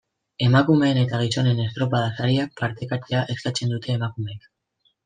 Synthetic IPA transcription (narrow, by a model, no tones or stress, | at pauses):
e̞makume̞ːne̞t̪aɣ̞iso̞ne̞ne̞st̪ɾo̞paðasaɾiak̚paɾt̪e̞kat͡ʃeaʔe̞skat͡se̞nd̪ut̪ʰe̞ːmakume̞k